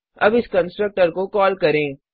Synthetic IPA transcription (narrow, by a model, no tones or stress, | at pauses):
ɐ̰bɪskɐ̃nsʈɾək̚ʈəɾkokɔːlkɐɾẽː